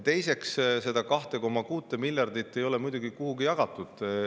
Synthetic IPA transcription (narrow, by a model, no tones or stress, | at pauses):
t̪e̞jse̞ksse̞d̪̥ɑkɑht̪e̞ko̞mːɑkuːt̪ːˑemilʲjɑrd̪̥it̪ːe̞jo̞lɛmujd̪uɡikuɦuɡijɑɡ̥ɑt̪ːˑud̪̥